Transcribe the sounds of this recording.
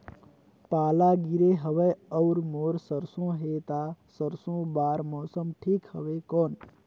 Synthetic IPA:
paːlaɡiɾeɦəʋəəʊɾmoɾsəɾsõɦet̪asəɾsõbaɾmɔsəmʈʰikhə̰ʋekɔn

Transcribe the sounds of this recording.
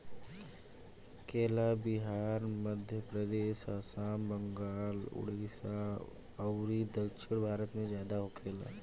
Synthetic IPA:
keːlabɪɦaːɾməd̪ʱjəpɾəd̪eːʃaːsaːmbə̃ŋɡaːlʊ̰ɽiːsa | əwɾid̪əlʃʰɪɽbʱaːɾət̪mẽzjaːd̪aɦokʰeːla̰ː

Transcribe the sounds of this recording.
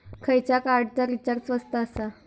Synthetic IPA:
kʰəjt͡ɕakaɾɖt͡saɾit͡ɕəɾt͡sʋəst̪aːsa

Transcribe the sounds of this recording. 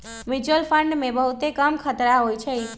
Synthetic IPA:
mid͡ʒuəlpʰəɳɖmẽbəɦut̪ekəmkʰət̪ɾaɦojt͡ʃʰɛ

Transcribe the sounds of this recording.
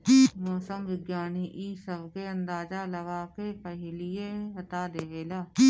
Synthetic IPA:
mɔːsəmʋɪɡjaːniʔiːsəbkeːənd̪aːd͡ʒaːləʋaːkeːpəɦɪlɪjeːɦət̪aːd̪eːʋeːlaː

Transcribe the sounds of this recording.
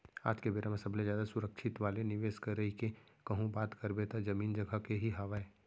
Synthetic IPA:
a̰ːd͡ʒkebeːɾamẽsɐblẽd͡ʒjaːd̪asʊɾəkʃʰɪt̪ʋaːlenɪʋeːʃkɐɾəɦikekɐɦũbaːt̪kɐɾbet̪ad͡ʒɐmiːnd͡ʒɐɡəkeɦiɦɐʋaeː

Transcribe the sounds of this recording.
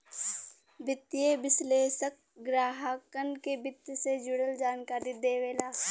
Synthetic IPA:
bɪt̪ːijebɪsleːʃək̚ɡɾaːɦəkənkebɪt̪sed͡ʒʊɽəld͡ʒaːnkaːɾid̪eːʋeːlaː

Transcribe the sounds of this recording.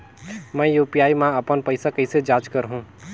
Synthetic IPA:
mɛ̃juːpijaːimãɐpənpəɪsakɐɪsed͡ʒaːd͡ʒkəɾɦũː

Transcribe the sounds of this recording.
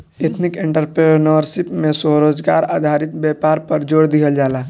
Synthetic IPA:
et̪ʰnɪkẽɳʈəɾpɾenəɾsɪpmẽsoɾoːd͡ʒɡaːɾaːd̪ʱaːɾɪt̪bjɛːpaːɾpəɾd͡ʒoːɽd̪iɦəld͡ʒaːlaː

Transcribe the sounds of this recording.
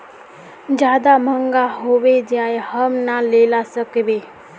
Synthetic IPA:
d͡ʒjaːd̪aməŋɡaɦoːʋed͡ʒjaːjhəmnaleːlasəkʋe

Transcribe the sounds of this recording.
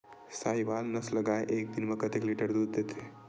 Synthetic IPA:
sajʋalnɐslɐɡajʔek̚d̪inmɐkət̪ekliʈəɾd̪uːd̪ːet̪ʰe

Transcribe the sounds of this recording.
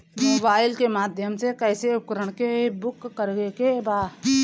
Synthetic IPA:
moːbaːɪlkemaːd̪ʱjəmsekɛːseʊp̚kəɾəɳ̃kebʊkːəɾɡekebaː

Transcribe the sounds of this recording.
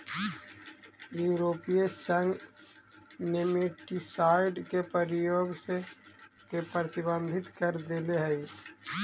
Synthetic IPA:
juːɾoːpiesə̃ŋɡ | nemeʈisaːɪɖkepɾəɾɪjoːɡse | kepɾət̪ɪbə̃nd̪ʱɪt̪kəɾd̪eleɦɛi

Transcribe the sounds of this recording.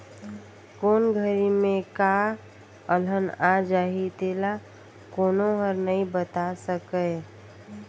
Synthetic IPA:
koːnɡʱəɾimẽka | ələnad͡ʒaːɦit̪eːla | koːnoɦəɾnəĩbət̪asəkə

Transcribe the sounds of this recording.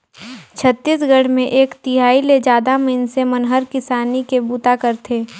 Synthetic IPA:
t͡ʃʰət̪ːisɡəɽ̤mẽʔeːkt̪ɪɦaːiled͡ʒaːd̪amɪnsemɐnɦəɾkɪsaːnikebuːt̪akəɾt̪ʰeː

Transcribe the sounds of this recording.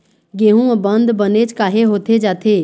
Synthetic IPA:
ɡeːɦũːbənd̪bəneːt͡ʃkaːɦeːɦoːt̪ʰeːd͡ʒaːt̪ʰeː

